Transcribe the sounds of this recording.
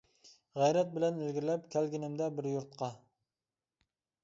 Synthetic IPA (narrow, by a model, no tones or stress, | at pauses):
ʁæjɾɛt̪̚bɪlɛnɪlɡʲɪɾlɛp̚kʲʰælɡʲinɪmd̪ɛbɪɾjuɾt̪̚qʰɑ